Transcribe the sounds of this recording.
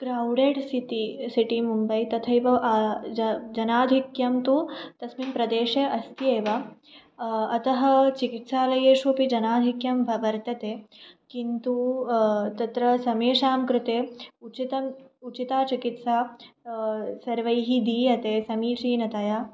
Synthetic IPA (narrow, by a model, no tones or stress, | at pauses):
ɡɾaːwɖeːɖsit̪isiʈimumbɐjt̪ɐt̪ʰɐjbɐʔɐd͡ʒɐnaːd̪ʱikjɐmt̪ut̪ɐsmiːmpɾɐd̪eːʃeʔɐst̪ieːʋa | ɐt̪ɐɦɐ̆t͡ʃikit̪saːlɐjeːʃupid͡ʒɐnaːd̪ʱikjɐmbʱɐʋɐɾt̪ɐt̪eːkint̪u | t̪ɐt̪ɾɐsɐmeːʃaːmkɾɪt̪eːut͡ʃit̪ɐmut͡ʃit̪aːt͡ʃikit̪saː | sɐɾʋɐjɦid̪iːɐt̪eːsɐmiːʃiːnɐt̪ajaː